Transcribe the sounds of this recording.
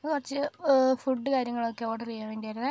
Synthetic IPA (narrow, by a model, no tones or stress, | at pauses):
ɐðɨkurɐt͡ɕːɨfuɖːɨkaːɾjɐŋːɐɭokːeoːɽɐrijːaːmʋeːndijaːjɾunɨ